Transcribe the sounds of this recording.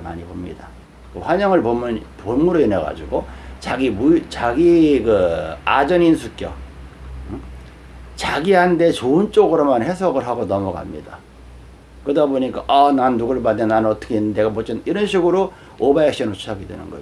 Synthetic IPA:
ma̰ɲibomɲḭda | kɯɸwaɲʌŋɯɭpomnponmuɾoineɡa̰d͡ʑiɡot͡ɕaɡimut͡ɕaɡikɯad͡ʑʌninsʰuk͈jʌ̰ | t͡ɕaɡiɦande̞t͡ɕoɯnt͡ɕ͈oɡɯɾomanhe̞sʰʌɡɯɭɦaɡonʌmʌɡa̰mɲḭda | kɯdaboɲik͈aʔʌnanːuɡɯɭbandenannʌt͈ʌkʰeinːɯnde̞ɡamʌt͡ɕ͈ʰʌniɾʌnɕʰiɡɯɾo | obaek̚ɕ͈ʌnɯɭt͡ɕʰaɡidwe̞̰nɯ̰nɡʌd͡ʑo

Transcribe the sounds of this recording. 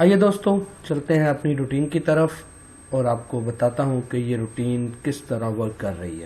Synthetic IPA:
aːjed̪oːst̪õt͡ʃɐlt̪eɦɛ̃ɐpniɾuʈiːnkit̪ɐɾəf | ɔːɾaːp̚kobɐt̪aːt̪aɦũkejeɾuːʈiːnkɪst̪ɐɾaʋɐɾt̪kɐɾːɐɦḭɦɛ̰ː

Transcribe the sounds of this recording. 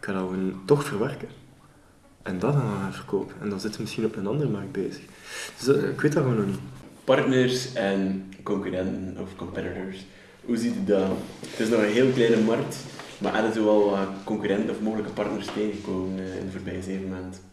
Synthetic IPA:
kʰːɑdɑwontɔxfərʋɛrkən | ʔɛndɑdɑnavərko̰ːpənɛ̰ndɑnzɪtəmɪsxinɔpmənɑndərəmɑrk̚t̚bḛːzə̥xd̥øsɪkʋeːt̚dɑɣoːnonipɑrtnərsɛnkɔŋkyɾɛntənɔ̰fkɔmpɛtitɔɹs | huzitydatɪsnɔxənɦeːlˠklɛjnəmɑrk̚tma̰ʔɛ̰lənzoʋɛlˠəkɔŋkyɾɛntənɔfmoːɣələkəpɑrtnərsteːɣəkoːmənɪ̰ndəvoːrbɛjəzeːvənmant

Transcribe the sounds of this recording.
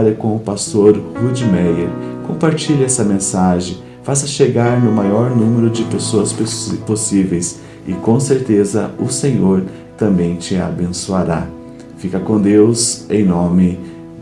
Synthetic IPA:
ɾɐkõʊpast̪oɾhud͡ʒimɛjeɾkõmpaɾt͡ʃilɪɛsɐmẽsaʒẽj̃ | fas̬ɐʃeɡaɾnʊmajɔɾnũmeɾʊd͡ʒɪpesoɐsposivejs | ɪkõseɾt̪ezɐ̰ʊsẽɲoɾ | t̪ɐ̃mbẽj̃t͡ʃɪa̰bẽsuaɾa̰ | fikɐkõd̪ewzẽj̃nõmɪ

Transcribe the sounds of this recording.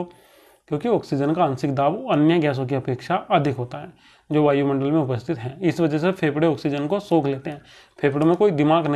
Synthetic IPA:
kjõːkiɔːksid͡ʒənkaə̃ːnsɪkd̪aːbənjəɡɛːs̬õkiɐpeːkʃaʔɐd̪ʱɪkɦoːt̪aɦɛː | d͡ʒoːʋaːjumɐ̃ɳɖəlmẽʊpəst̪ʰɪt̪ɦɛ̃ːɪsʋɐd͡ʒɛsepʰeːbɽeɔːksid͡ʒənkosoːkʰleːt̪eɦɛ̃ː | pʰeːbɽemẽkoːid̪ɪmaːɡnɐ

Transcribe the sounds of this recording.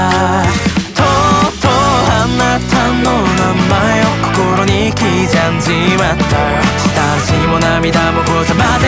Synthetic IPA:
t̪ʰot̪ohanːat̪ʰanːonammajokːo̥koɾoɲikʲid͡ʑand͡ʑiβana | ɕi̥t̪a | ɕimonamʲid̪amokod͡ʑamad̪

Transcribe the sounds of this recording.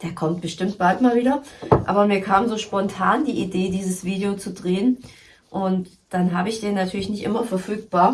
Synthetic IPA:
d̥eːɐkʰɔmt̚b̥əʃtɪmtb̥altmaːlviːdɐʔa̰ːbɐmiːɐkʰaːmzoːʃpɔntʰaːndiːʔideːdiːzəsv̥iːdeot͡sudʁeːən | ʔʊnt | d̥anɦaːbəɪçd̥eːnatʰyːɐlɪçnɪçtʔɪmɐfɛɐfyːk̚b̥aːɐ

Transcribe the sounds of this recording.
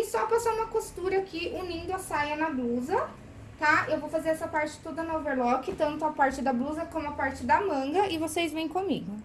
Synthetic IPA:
ɪsɔpasaũmɐkost̪uɾɐkɪʔunĩnd̪ʊasajɐnɐbluzɐ | t̪aʔewvowfazeɾɛsɐpaɾt͡ʃɪ̥t̪od̪ɐnoveɾlɔkɪt̪ɐ̃nt̪ʊɐpaɾt͡ʃɪd̪ɐbluzɐkõmʊapaɾt͡ʃɪd̪ɐmɐ̃ŋɡɐʔɪvosezvẽj̃kõmḭɡʊ

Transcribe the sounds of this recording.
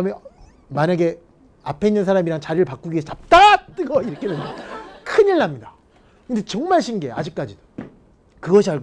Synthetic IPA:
me | maɲaɡe̞ | apʰeinɯns̬ʰaɾamiɾaŋt͡ɕaɾɯɭpak͈uɡiesʰʌt͡ɕap̚t͈at͈ɯɡʌiɾʌkʰedendokʰɯɲiɭːamɲida | kɯnde̞t͡ɕʌŋmaɭɕʰinɡe̞a̰d͡ʑik͈̚ad͡ʑido̥ | kɯɡʌɕʰiaɭɡ

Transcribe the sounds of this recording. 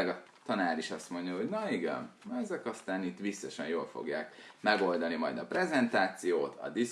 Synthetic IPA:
ɡɒt̪ɒnaːɾiʃɒst̪mo̞ɲɟɒɦo̞ɟnɒiɡɛ̰nɛzɛkɒst̪aːnit̪ːʋisːɒʃɛ̰njoːlfo̰ɡja̰ːkmɛɡo̞ld̪ɒnimɒ̰jd̪ɒprɛzɛnt̪aːt̪sijoːt̪ɒ̰d̪i

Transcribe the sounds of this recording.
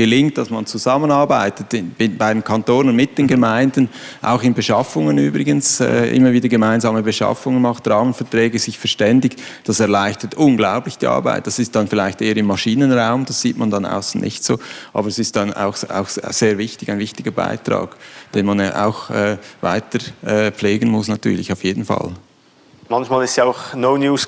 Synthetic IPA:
ɡ̥əlɪŋt̚d̥ɑsmɑnt͡suzɑmənɑɹbaɪtətɪnɪnbaɪdemkʰantoːnʊnmɪt̚d̥eːnɡəmaɪndn̩ | ʔa̰ʊxɪnbəʃɑfʊŋənyːbʁɪɡənsɛ̰ːʔɪ̰mːəviːdəɡəmaɪnzɑːməbəʃɑ̰fʊŋənmɑχtd̥ʁɑːmənfɛɐtʁɛːɡəz̥ɪçfɛɐʃtɛndɪç | d̥ɑsɛɐlaɪçtətʰʊnɡlaʊplɪçd̥ḭːʔɑ̰ɐba̰ɪt̚d̥ɑsɪstd̥ɑnfɪlaɪçtʔeːəɾɪmːɑʃiːnənʁaʊmd̥ɑsz̥iːtmɑndɑna̰ʊsn̩nʔɪ̰çtso̰ːʔɑ̰ːbəɾɛsɪstd̥ɑna̰ʊxa̰ʊxz̥eːɐvɪçtɪɡaɪnvɪçtɪɡəba̰ɪtɾɑ̰ːɡd̥eːnmɑnʔa̰ʊxɛːva̰ɪtəɛːp͡fleːɡən̩mʊsnɑtʰy̰ːɐlɪçaʊfjeːdn̩fɑ̰l | mɑnçmaːlɪstjaʊxnoʊnjuːs

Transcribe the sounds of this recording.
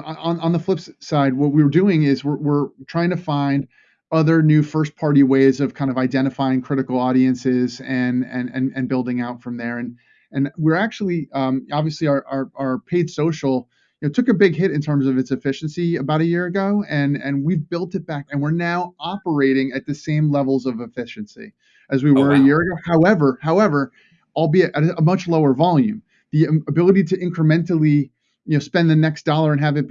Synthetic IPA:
əə̃nə̃nðəflɪpssaɪd̚wʌt̚wiwə˞dʉɪ̃ŋɪzwɪɹwɪɹtʰɹ̥aɪɪ̃ŋtʰɨfãɪ̃nd | ʌðə˞nʉfɜ˞spʰɑɹɾiweɪzʌv̥kʰãɪ̃ndʌvaɪdɛ̃ɾ̃ɨfaɪɪ̃ŋkʰɹ̥ɪɾɨkl̩ˠɔɾiɨ̃nsɪzɨ̃nɨ̰̃nɨ̰̃nɨ̃nbɪlˠdɪ̃ŋaʊtfɹʌ̃mðə˞ɨ̃n | ɨ̃nwɪɹæk̚t͡ʃul̩ˠiʌ̃mɑbviɨsliə˞ʔə˞ə˞pʰeɪd̥soʊʃl̩ˠ | jɨnoʊtʰʊkɨbɪɡɦɪɾɨ̃ntʰɜ̃˞mzʌvɨtsɨfɪʃn̩siɨbaʊɾɨjɪɹɨɡoʊɨ̃nɨ̰̃nwivbɪlˠtɨt̚b̥ækɨ̃nwɨɹnaʊɑpə˞eɪɾɪ̃ŋɨt̪̚ðɨsẽɪ̃mlɛvl̩ˠzʌvɨfɪʃɨ̃nsḭ | ʔɨzwiwə˞ɨjɪɹɨɡoʊhaʊɛvə˞haʊɛvə˞ | ʔaɪlˠbiɨʔɨɾɨəmʌt͡ʃloʊə˞vɑlˠjʉ̃m | ðiəbɪlˠəɾiɾɨʔɪ̃nkɹɨmɛ̃ntl̩ˠi | jɨnoʊspɛ̃nðɨnɛksd̥ɑlˠə˞ɨ̃nɨvɨt̚

